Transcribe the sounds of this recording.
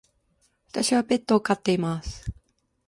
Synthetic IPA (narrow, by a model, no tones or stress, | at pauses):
βḁt̪aɕiβape̞t̪ːo̞ːkat̪ːe̞imasɨ̥